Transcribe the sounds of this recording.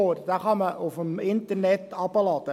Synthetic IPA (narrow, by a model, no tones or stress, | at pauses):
ordɑːχɑnməʔʊfəmɪntərnɛtɑpəlɑːtə